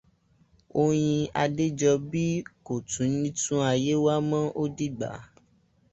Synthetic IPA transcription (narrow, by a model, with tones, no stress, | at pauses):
o˧j̃ĩ˧a˧de˦d͡ʒɔ˧bi˦ko˨tũ˨˦nĩ˦tũ˦a˧˨je˦wa˦mã˦ʔo˦di˦˨ɡ͡ba̰˨˦